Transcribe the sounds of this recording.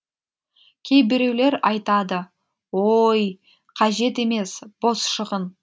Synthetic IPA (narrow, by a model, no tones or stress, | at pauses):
kʲʰe̞jbɪɾe̞wle̞ɾɑjt̪ɑd̪ə | woj | qʰɑʒe̞t̪e̞me̞sb̥o̞sʃəʁən